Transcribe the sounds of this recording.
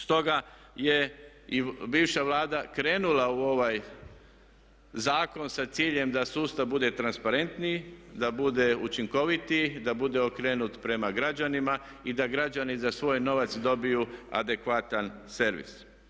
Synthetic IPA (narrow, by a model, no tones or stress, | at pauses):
st̪o̞ɡa | je̞ | ibiːʋʃaʋlˠaːd̪akɾe̞ːnulauo̞ʋaj | zaːko̞nsat̪siːʎe̞md̪asuːst̪avbud̪e̞t̪ɾanspaɾe̞nt̪nid̪abud̪e̞ut͡ʃiŋko̞ʋit̪id̪abud̪e̞okɾe̞ːnut̪pɾe̞maɡɾad͡ʒanima | id̪aɡɾad͡ʒanizasʋo̞ːjno̞ʋat̪sd̪o̞bijua̰d̪e̞kʋat̪anse̞ɾʋḭs